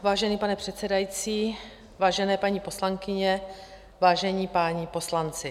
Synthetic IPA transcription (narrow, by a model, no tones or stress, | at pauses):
vaːʒɛniːpanɛpr̝̥ɛt̪t͡sɛdajit͡siː | vaːʒɛnɛːpaɲipo̞slaŋkɪɲɛ | vaːʒɛɲiːpaːɲɪpo̞slant͡sɪ